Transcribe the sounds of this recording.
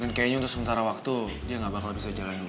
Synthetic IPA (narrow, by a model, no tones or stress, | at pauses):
ankajaɲaunt̪ʊksəmənt̪aɾawak̚t̪u | diaŋɡabakalabisad͡ʒalandu